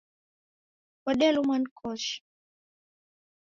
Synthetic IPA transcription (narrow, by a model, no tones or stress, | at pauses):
kɔɗɛlumankʰɔʃi̥